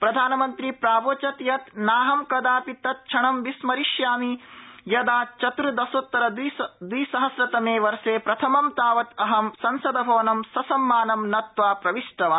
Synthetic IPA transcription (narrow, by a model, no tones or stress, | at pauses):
pɾɐd̪ʱaːnɐmɐnt̪ɾipɾaːboːt͡ʃɐt̪jɐt̪naːɦɐmkɐd̪aːpit̪ːɐt̪̚t͡ʃʰɐɳɐmʋismɐɾiʃjaːmijɐd̪aːt͡ʃɐt̪ɾɨd̪ɐsot̪ːɐɾɐd̪d̪ʋiːsɐɦɐsɾɐt̪ɐmeːʋɐɾseːpɾɐt̪ʰɐmɐmt̪aːʋɐt̪ɐɦɐmsɐnsɐd̪ɐbʱɐʋɐnɐmsɐsɐmːaːnɐmnɐt̪ʋaːpɾɐʋiʂʈɐʋaː